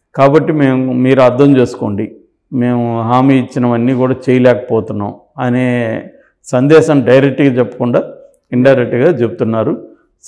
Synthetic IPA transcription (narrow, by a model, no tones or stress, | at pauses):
kaːbɐʈːime̞ːmumiːɾuɐd̪ʱːɐmd͡ʒeːsu̥ko̞ːɳɖi | me̞ːmuɦaːmiːit͡ʃːinɐʋɐnːiːkuːɽaːt͡ʃeːjɐlɛːkɐ̥pɔːt̪unːa̰ːm | ɐneː | sɐnd̪ɛːʃɐmɖɐjɾek̚ʈːikit͡ʃɛpːɐ̥kuɳɖaː | iɳʈɐjɾek̚ʈɡaːt͡ʃebut̪unːaːɾu